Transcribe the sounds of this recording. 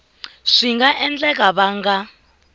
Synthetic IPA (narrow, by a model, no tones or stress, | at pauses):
ʂiŋɡaʔɛnd͡ɮɛk̬ʼaβaːŋɡa